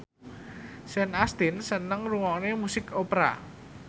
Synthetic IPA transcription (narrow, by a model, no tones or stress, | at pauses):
sɛnast̪ɪnsənəŋruwɔŋnemusɪkopɾa̰